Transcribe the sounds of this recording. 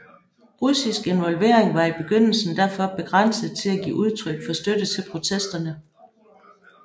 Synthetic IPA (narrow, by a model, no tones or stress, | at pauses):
ʁusisɡ̥e̝nʋɒ̽lʋe̝̰ɐ̰eŋʋɑ̈ib̥e̝ɡ̥øn̰l̩sn̩d̥æɐ̰fɒ̽b̥e̝ɡ̥ʁɑn̰səð̩ˠt͡sʰe̝læɡ̥ḭːʔuð̞ˠt͡sʰʁœɡ̥fɒ̽sd̥ød̥ət͡sʰe̝lpʰʁo̝t͡sʰesd̥ɐnə